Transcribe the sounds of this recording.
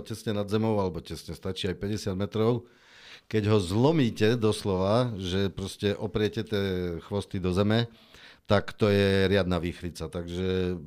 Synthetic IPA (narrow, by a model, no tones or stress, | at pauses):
cɛsɲɛnad̪zɛmɔʊalɛbɔcɛsɲɛst̪at͡ʃiːajpɛɟɛsɪad̪mɛt̪ɾɔʊ | kɛɟɦɔzlɔmiːcɛd̪ɔslɔʋaʒɛpɾɔscɛʔɔpɾɪɛcɛt̪ɪɛxʋɔst̪id̪ɔzɛmɛ | t̪akt̪ɔjɛɾɪad̪naʋiːxɾit͡sat̪aɡʒɛ